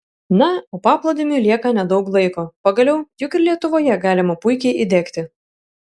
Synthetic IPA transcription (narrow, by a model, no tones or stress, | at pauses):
nɐoːpɑːplˠod̪ʲɪmʲulʲiɛkɐnʲɛd̪ɒʊklˠɐɪkoːpɐɡɐlʲɛʊjʊkɪɾlʲiɛt̪ʊʋoːjɛɡɑːlʲɪmɐpʊɪkʲɛɪʔid̪ʲæːkt̪ʲɪ